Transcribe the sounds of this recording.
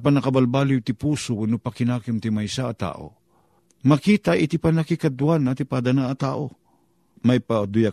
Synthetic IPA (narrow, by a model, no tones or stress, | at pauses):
panɐkɐbalbaːlɪjt̪ɪpuːsowanopakɪnaːkɪmt̪ɪmajsaʔːt̪a̰ːʔo̰ | mɐkiːt̪aʔɪt̪ipanakikad̪uanat̪ɪpad̪anaʔːt̪aːʔo | majpad̪ʊja